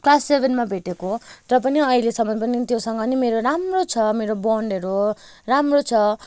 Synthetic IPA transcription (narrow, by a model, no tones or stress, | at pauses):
klasːebʱenmabʱeʈekorʌpʌniʌilesʌmbʌpʌnit̪josʌŋɡʌnimeɾoɾamrot͡sʰʌmeɾobʌɳɖʌɾo | ramrot͡sʰʌ